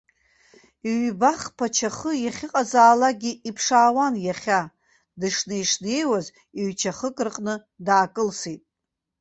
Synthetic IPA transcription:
iɥbaχpʰat͡ʃʰaχəjaχʲɪqʼazaːlaɡʲiipʰʂaːwanjaχʲa | dɨʂnejʂnejwaz | iɥt͡ʃʰaχəkʼrqʼnɨ | daːkʼɨlsitʼ

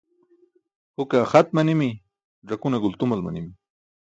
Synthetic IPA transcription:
hʊkaxat̪̚manimi | ʐakunaɡʊlt̪umalma̰nimi

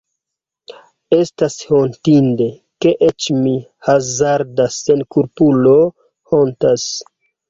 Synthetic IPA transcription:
e̞stashontinde̞ | ke̞ʔet͡ʃmihazaɾdasenkuɾpulo̞ | hontas

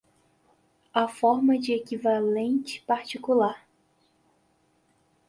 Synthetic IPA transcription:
afɔɾmɐd͡ʒɪekivalẽnt͡ʃɪ̥paɾt͡ʃikulaɾ

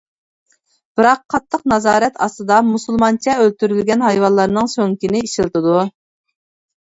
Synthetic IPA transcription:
b̥ɨɾɑqʰːɑt̪ʰːəqnɑzɑːɾɛt̪ʰɑ̰st̪ɨd̪ɑmusulˠmɑnt͡ʃʰɛølt̪yɾylɡʲɛnɦɑjwɑnlˠɑɾnɨŋsøŋkʲinɪiʃilˠt̪ɨd̪u

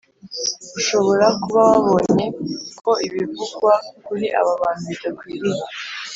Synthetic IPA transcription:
uʃo̞βo̞ɾakuβaβaβo̞ɲe̞kʰo̞iβivuɡwakuɾiʔa̰βaβaːnuβitakwiːɾija

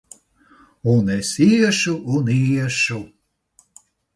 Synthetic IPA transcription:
unesijɛʃuʔuniɛʃu

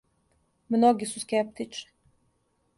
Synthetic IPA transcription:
mnoɡisuskept̪it͡ʃni̥

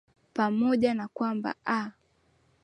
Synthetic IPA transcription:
pamɔʄanakwamba̰a

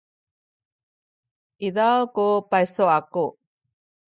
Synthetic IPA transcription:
idawkupajsoaku

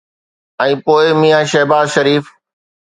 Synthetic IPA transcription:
ɛ̃ːpoːɪmiːjãʃɐɦbaːzʃɐɾiːf

